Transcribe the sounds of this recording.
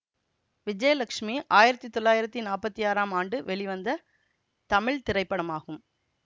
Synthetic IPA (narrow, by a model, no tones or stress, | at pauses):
ʋɪd͡ʒɐjɐlɐkʂmiʔaːjɪɾɐt̪ːit̪ːɔɭːaːjɪɾɐt̪ːinaːpɐt̪ːijaːɾaːmaːɳɖɯʋɛɭɪʋɐnd̪ɐ | t̪ɐmɪɭt̪ɪɾɐɪpːɐɽɐmaːɣɯm